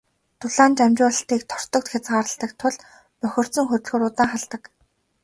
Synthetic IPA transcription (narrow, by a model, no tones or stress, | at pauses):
t̪ʰʊɮaːnt͡ɕamt͡ɕʊːɮə̆ɬt̪iːkt̪ʰɔr̥t̪ɞ̆k̚t̪xʲat͡sɢaːɾə̆ɬt̪ə̆kt̪ʰʊɮ | pœxʲɪ̆r̥t̪t͡sɵ̆ŋxɵt͡ɕ̪ɮɣoːɾʊt̪aːŋχaɮt̪ə̆k